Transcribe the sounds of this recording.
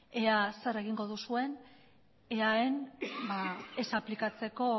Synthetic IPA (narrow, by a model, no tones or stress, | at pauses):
e̞asaɾeɣ̞iŋɡo̞ðusue̞n | eaenbaesaplikat͡se̞ko̞